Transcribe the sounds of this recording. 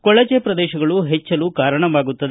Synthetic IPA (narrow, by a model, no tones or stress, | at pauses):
kɔɭɐt͡ʃepɾɐd̪ɛːʃɐɡɐɭuɦɛt͡ʃːɐluːkaːɾɐɳɐʋaːɡut̪ːɐd̪